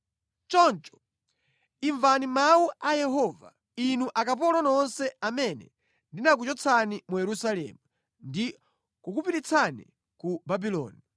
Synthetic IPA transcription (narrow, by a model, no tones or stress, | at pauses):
t͡ʃɔnt͡ʃɔ̥ | iɱvanimauajɛɦɔva̰ | inuʔakap̬ɔlɔnɔnsɛamɛnɛ̰ | ndinak̬ut͡ʃɔt͡sʰanimujɛɾusalɛ̰ːmu | ndi | kukupiɾit͡sʰanḭ | kubabilɔ̰ːni